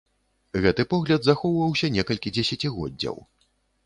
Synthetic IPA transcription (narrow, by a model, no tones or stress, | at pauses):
ɣɛt̪ɨpɔɣlʲɐd̪zaxɔwvɐwsʲɐnʲɛkɐlʲkʲid͡zʲɛsʲat͡sʲiɣɔ̰dd͡zʲːɐ̰w